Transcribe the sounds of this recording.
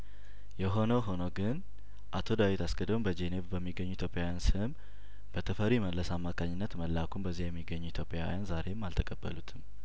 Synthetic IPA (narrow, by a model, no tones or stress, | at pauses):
jɛɦo̞nəwɦo̞nəwɡɨn | ʔat̪ʰo̞d̪awit̪asɡəd̪əmbəd͡ʒe̞nevbəmːiɡːəɲːuit̪ʰjopʼːjawjansɨm | b̥ət̪ʰəfəɾiməlːəsamːakʰaɲːɪnːət̪məlːakʰumbəzːijjɛmːiɡːəɲːuit̪ʰjo̞pʼja̰wḭjanzaɾe̞mːalt̪ʰəkʼəbːə̰lut̪ʰɨm